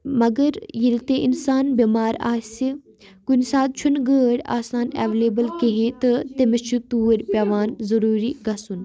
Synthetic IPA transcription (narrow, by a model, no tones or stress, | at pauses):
mɐɡɐɾjilt̪eʔɪnsaːnbimaːɾa̰ːsi | kunsaːt̪̚t͡ʃʰunɡəːɽʲa̰ːsaːnḛːʋeleːbəlkeɦẽt̪ɨt̪emɐt͡ʃʰut̪uːɾʲpaːʋaːnzɐɾuːɾiɡɐsun